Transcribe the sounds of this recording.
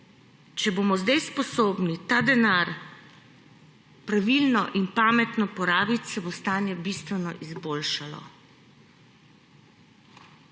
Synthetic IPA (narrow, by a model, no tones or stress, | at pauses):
t͡ʃɛbomɔzd̪ajspɔsoːbnit̪ad̪ɛnaɾ | pɾaʋilnɔʔinpaːmɛt̪nɔpɔɾaːbit̪sɛbost̪aːnjɛbist̪ʋɛnɔʔizboːlʃalɔ̰